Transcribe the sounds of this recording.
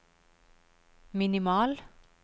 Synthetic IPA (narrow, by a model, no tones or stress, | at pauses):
mɪnɪmɑːl